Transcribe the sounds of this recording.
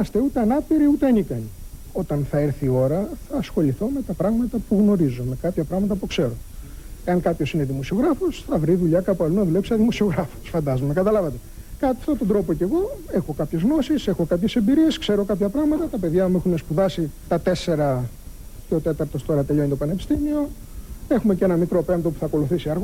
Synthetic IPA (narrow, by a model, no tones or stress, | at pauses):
ɐst̪e̞ut̪e̞ɐnɐpiɾiut̪eenikɐni | o̞t̪ɐnθɐeɾθio̞ɾɐθɐːsxo̞ʎiθo̞me̞t̪ɐpɾɐɣmɐt̪ɐpuɣno̞ɾizome̞kɐpçɐpɾɐɣmɐt̪̬ɐpukse̞ɾo̞ | eɐŋkɐpço̞sine̞ðimo̞sio̞ɣɾɐfo̞sθɐvɾiðuʎɐkɐpoɐlunɐðule̞psiɐðimo̞sio̞ɣɾɐfo̥sfɐnd̪ɐzomekɐt̪ɐlɐvɐt̪e̞ | kɐt̪ift̪ot̪ond̪ɾo̞po̞ce̞ɣo̞e̞xo̞kɐpçe̞zɣno̞sise̞xo̞kɐpçe̞sembiɾie̞skse̞ɾo̞kɐpçɐpɾɐɣmɐt̪ɐt̪ɐpe̞ðʝɐmuexune̞spuðɐsit̪ɐt̪e̞se̞ɾɐ | ceot̪e̞t̪ɐɾt̪o̞st̪o̞ɾɐt̪eʎoinet̪opɐnepi̥st̪imio̞ | e̞xume̞cenɐmikɾo̞pe̞mt̪o̞pu̥θɐːko̞luθisiɐɾɣ